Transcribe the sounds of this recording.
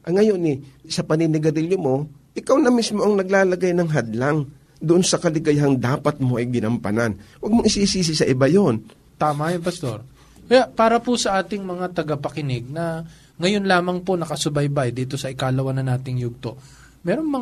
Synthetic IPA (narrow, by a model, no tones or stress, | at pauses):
ʔɐŋɐjo̞nɛsɐpɐninɪɡɐɾiljomo̞ʔɪkawnɐmismo̞ʔɐŋnɐɡ̚laːlɐɡajnɐŋɦɐd̪laŋ | d̪ʊʔonsɐkɐlɪɡɐjɦaŋd̪aːpɐt̪̚mo̞ʔɐjɡɪnɐmpɐ̰nanwɐɡ̚moŋʔɪsisiːs̬ɪsɐʔɪbajon | t̪aːmɐjonpɐst̪o̞̰ɾ | kɐjaʔpaːɾɐpʊsɐʔaːt̪ɪŋmɐŋat̪ɐɡɐpɐkɪnɪɡ̚nɐ | ŋɐjonlaːmɐŋponɐkɐsʊbɐjbajd̪iːt̪o̞sɐʔɪkaːlɐwɐnɐnaːt̪ɪŋjuɡ̚t̪o̞ | mɛːɾoŋmɐ